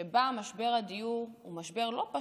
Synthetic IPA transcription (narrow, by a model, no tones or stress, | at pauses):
ebamaʃbe̞ʁad̪ijuʁumaʃbe̞ʁlo̞pa